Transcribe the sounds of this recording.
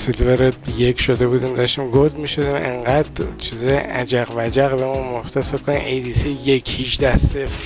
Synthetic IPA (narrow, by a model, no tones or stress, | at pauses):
silveɾed̪jekʰʲʃod̪ebuːd̪imd̪ɒʃt̪imɡod̪miʃod̪imḛŋɡæd̪̥t͡ʃʰizɒjʔæd͡ʒæɣvæd͡ʒæɣbemunmoxt̪ʰesfekʰːonimʔejd̪isijekʰhiʃd̪æhsefɾ